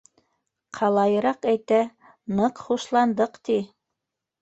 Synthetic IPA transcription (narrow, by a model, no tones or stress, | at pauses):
qʰɑlˠɑjɤ̆ɾɑqæjt̪æ | nɤqχuʃlˠɑnd̪ɤqt̪i